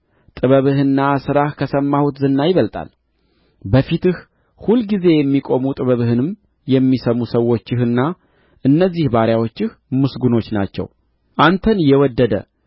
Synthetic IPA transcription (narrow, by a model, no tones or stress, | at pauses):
t̪ʼɨβəβɨhɨnːasɨɾahkʰəsəmːahut̪zɨnːajɪβəlt̪ʼa̰l | bəfit̪ɨh | hulɡize̞jɛmːikʼo̞mut̪ʼɨβəβɨhɨnɨm | jɛmːisəmusəwːo̞t͡ʃːɪhɨnːa | ʔɨnːəzːihbaɾjawo̞t͡ʃːɪhmɨsɡuno̞t͡ʃːna̰t͡ʃːɛ̰w | ʔant̪ʰənjɛwɔd̪ːəd̪ə̰